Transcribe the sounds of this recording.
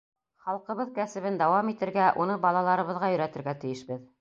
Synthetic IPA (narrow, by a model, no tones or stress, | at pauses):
χɑlˠqɤ̆βɤðkæsɘ̆βɘnd̪ɑwɑmit̪ɘ̆ɾɡæʔunɤbɑlˠɑlˠɑɾɤ̆βɤ̆ðʁɑjɵ̆ɾæt̪ɘ̆ɾɡæt̪ɘ̆jɘ̆ʃbɘð